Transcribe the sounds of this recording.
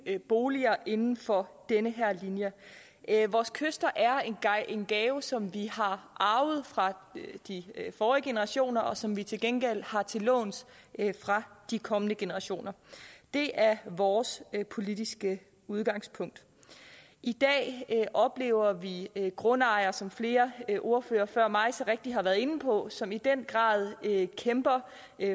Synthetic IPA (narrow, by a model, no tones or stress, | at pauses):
b̥o̝ːliɐʔe̝nn̩fɒ̽d̥enəɦɛɐ̰linjə | ʋɒːskʰøsd̥ɐʔæɐe̥ʔe̝nɡ̥ɛːʊsɒ̽mʋihɑ̈ʔɑ̈ʊð̞̩ˠfʁɑ̈d̥ifɒːʁiɡ̥e̝nəʁɑ̈ɕo̝̰ːnɐʔɒ̽sɒ̽mʋit͡sʰe̝lɡ̥enɡ̥el̰hɑ̈t͡sʰe̝lɔ̰̽ːns | fʁɑ̈d̥ikʰɒ̽mənəɡ̥e̝nəʁɑ̈ɕo̝̰ːnɐd̥e̝ʔæɐʋɒːspʰo̝lid̥isɡ̥ə | uð̞ˠɡ̥ɑ̈ŋ̰spʰɔ̽ŋ̰d̥ | ʔid̥ɛ̰ːʔɒ̽b̥le̝̰ːʊɐʋiɡ̥ʁɔ̽nɑ̈ɪɐsɒ̽mfle̝ːɐʔo̝ɐfø̰ːɐfɶɐ̰mɑ̈ɪsɒ̽ʁeɡ̥̚d̥iɦɑ̈ʋæːɐðˠe̝n̩pʰɒ̽sɒ̽mid̥en̰ɡ̥ʁɑ̰̈ːð̞ˠkʰemb̥ɐ